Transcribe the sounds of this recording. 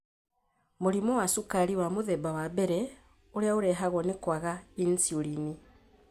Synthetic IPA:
moɾimɔwasukaɾiwamoðɛbawabɛɾɛ | oɾeaoɾɛɦaɣɔnekwaɣainsiuɾini

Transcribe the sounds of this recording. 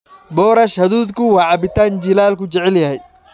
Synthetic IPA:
bɔːɾɐʃhɐðuːd̪kʰʊwɑːʕɑbɪt̪ʰaːnt͡ʃilaːlkʰʊt͡ʃɛʕɛljɐɦɛj

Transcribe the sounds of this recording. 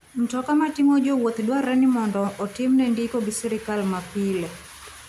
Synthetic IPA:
n̩tɔkamatiŋod͡ʒowot̪dwaɾɛnɪmɔndɔʔɔtɪmnɛndikoɡisɛɾɪkalmapilɛ

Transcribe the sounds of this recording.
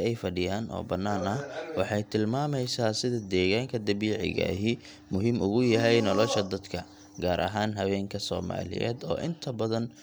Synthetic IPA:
ɛjfɐɖɪjaːnʔɔ̰ːbɐnːaːnɐhwɑħɑjt̪ʰɪlmaːmɛjsaːsɪðɐd̪ɛːɣaːŋkʰɐd̪ɐβiːʕɪ̰ɣɐ̰ɦɪ | mʊɦiːmʊɣʊjɐɦɛjnɔlɔʃɐd̪ɐd̪kʰɐ | ɡaːɾʔɐ̰ɦaːnɦɐwɛːŋkʰɐsɔ̰ːma̰ːlɪ̰jɛ̰ːd̪ɔ̰ːʔɪnt̪ʰɐbɐðɐn

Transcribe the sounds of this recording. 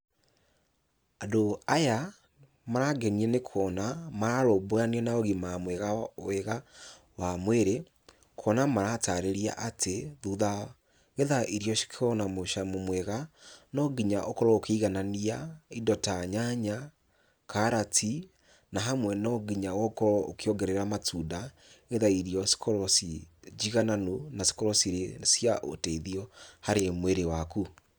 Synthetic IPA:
adoaja | maɾaɡɛniɛnekʰɔnamaɾaɾobojaniɛnaoɣimamwɛɣaweɣa | wamweɾe | kʰɔnamaɾataɾeɾia̰ʔatʰeðuða | ɣeðaʔiɾjɔʃi̥kʰeɔnamoʃamomwɛɣanɔɡiɲaʔokɔɾɔokiiɣananiaidɔtaɲaɲa | kaɾatʰi | naɦamwɛnɔɡiɲawɔkɔɾɔokiɔɡɛɾeɾamatuda | ɣeðaiɾiɔsi̥kʰɔɾɔsid͡ʒiɣananonasi̥kɔɾɔsiɾesjaʔo̰tɛiðiɔhaɾemweɾewaku

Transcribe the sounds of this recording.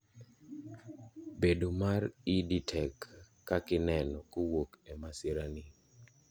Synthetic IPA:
bedomaɾɪditʰɛkː | akɪnɛnɔkowokemasɪɾani

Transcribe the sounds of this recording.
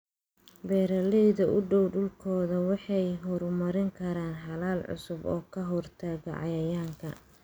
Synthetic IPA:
bɛːɾɐlɛjðɐʔʊɖɔwɖʊlkʰɔːðɐwɑħɑjɦɔɾmɐɾɪŋkʰɐɾaːnħɑlaːlʕʊ̰sʊbɔːkʰɐɦɔrt̪ʰaːɣɐ̰ʕɑ̰jɐjaːŋkʰɐ̰

